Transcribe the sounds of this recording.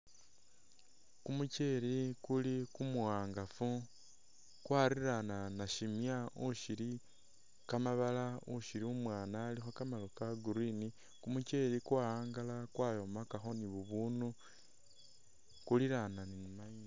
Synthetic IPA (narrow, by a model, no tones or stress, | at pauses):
kumuce̞ɾikulikumuɣaːŋɡafu | kwaːɾiɾananaʃimjauʃiɾi | kamaβalauʃiɾiumwaːnaːlixokamalokaɡuɾini | kumuce̞ɾikwaːaːŋɡalakwaːjo̞makaxo̞niβuβunu | kuliɾananinimaina